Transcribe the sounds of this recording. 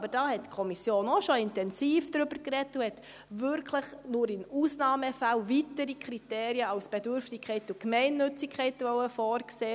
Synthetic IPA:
bəd̥ɑːhɛtkʰɔmisjoːnɔʃɔɪntɛnsiːfd̥ɾʏbəɾkrɛtːuhɛt | ʋʏɾkʰləχnʊɾɪnuːsnɑːməfalʋitəɾikʰɾiteːɾiəɑʊsb̥ɛdʏɾftɪkʰɛɪtukmɛɪnːʏt͡sɪkʰχɛɪtʋɔwəfɔːɾkseː

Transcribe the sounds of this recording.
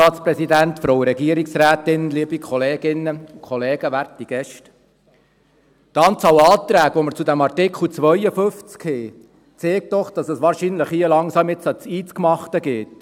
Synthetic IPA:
ɑːtspɾɛsidæntfɾoʊɾɛɡiəɾiksɾæːtɪnənliːbikʰχɔleːɡɪnːəukχɔleːɡ̥əʋæɾtiɡ̥ɛʃt | tɑːnt͡sɑːwɑːt̪ɾæːɡʋɔməɾt͡sudæmɑrtɪkʰl̩t͡sʋœʏəfɵft͡skheː | t͡seːk̚t̪ɔχd̥ɑsɛsʋɑːɾʃiːnləχiːəlɑŋsɑːmɪt͡sɑt͡siːt͡skmɑχtəɡeːt

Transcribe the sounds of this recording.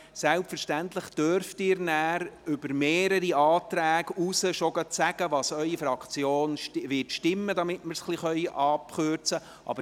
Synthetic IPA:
sɛlpfəɾʃtænt̪ləχd̥øɾftɪːɾnæːɾʏbəɾmeːɾəɾiɑːt̪ɾæːɡ̥usəʃoɡətsæɡ̥əʋɑsœʏifɾɑkχt͡sjoːnʋɪtʃtɪmːəd̪ɑmɪtməɾsχliχœʏʔɑːpχøɾt͡sə | ʔɑ̰bə

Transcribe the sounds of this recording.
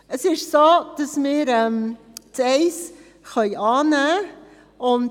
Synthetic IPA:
əsɪʃsoːd̥ɑsmɪːɾɛm | tɛɪs | χœʏʔɑːnæː | ʊn

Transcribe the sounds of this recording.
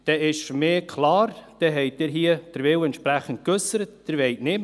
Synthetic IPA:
d̥ɛːɪʃmeːkʰlɑːɾd̥ɛːɦɛɪt̚dɪːɾɦiːəd̥əɾvɪwɛntʃpɾæχənt̚køsəɾətd̥əɾʋɛɪtnɪm

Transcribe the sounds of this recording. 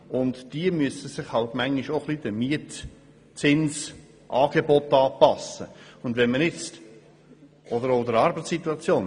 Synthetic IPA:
ʊndd̥iəmyəsəsɪχhɑltmæŋːiʃoχlid̥̪əmiət | t͡sɪns | ʔɑːɡ̥ebɔtɑːpɑsə̰ʊnd̪vɛnmənjɛt͡st | ʔɔdəɾoʊd̪əɾɑɾbəsit̪uɑt͡sjoːn

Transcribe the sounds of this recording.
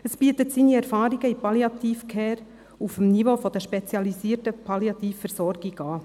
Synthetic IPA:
əsb̥iətətsiːniɛɾfɑːɾiɡəipɑljɑt̪iːfkʰɛːɾ | ufmnivofɔd̥̪əʃpɛt͡sjɑlisiːrtəpʰɑljɑt̪iːfːɛɾsɔɾɡiɡɑː

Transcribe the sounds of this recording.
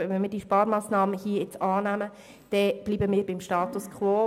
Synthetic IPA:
ʋɛnmiːdiəʃpɑːɾmɑːsnɑːməhiəjɪt͡sɑːnæmə | d̥ɛb̥liːbəmiːɾbɪmʃtɑːt̪uskχʋoː

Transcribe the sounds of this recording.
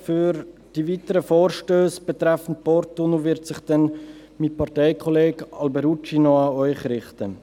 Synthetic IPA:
fyɾd̥ivitəɾəfoːɾʃtøːsb̥ɛtɾɛfən̩t̚pɔɾtunovɪɾtsɪχd̥ɛn | mipʰɑʁtɛɪkʰɔleːɡɑlbɛɾut͡ʃinoɑœʏχɾɪχtə

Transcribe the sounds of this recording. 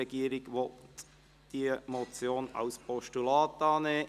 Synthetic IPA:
ɛɡiːɾɪɡʋɔltt | d̥iːmot͡sjoːna̰ʊspʰɔʃtulɑːt̪ɑne

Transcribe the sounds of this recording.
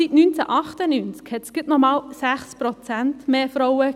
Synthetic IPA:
itnynt͡sɛʔɑχt̪ənynt͡skhɛtsɡ̥ɪtnɔmɑːlsæχspɾɔt͡sæntmeːfɾɔwə

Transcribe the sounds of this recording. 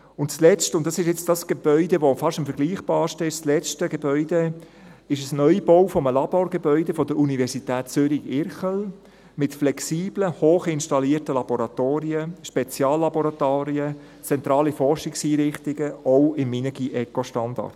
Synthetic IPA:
ʊntslɛt͡stʊntdɑsɪʃjɛt͡sd̥ɑsɡ̥eb̥œʏdeʋofɑʃtəmfəɾɡ̥liːχb̥ɑːɾʃtəɪʃslɛt͡ʃtəɡebœʏde | ɪʃəsnœʏb̥owfɔməlɑb̥oːɾɡ̥ebœʏdefɔd̥əɾunivɛsitæːtt͡sʏɾiɪɾχəl | mɪtflɛksiːb̥ləhoːχɪnʃtɑliːərtəlɑbɔɾɑtoːɾiəʃpɛt͡sjɑːlːɑbɔɾɑtaːɾiə | t͡sɛnt̪ɾɑːlifɔrʃɪksiːɾɪχtɪɡ̥əɔʊɪmːinəɡiʔɛkɔʃtɑndɑ̰ɾt

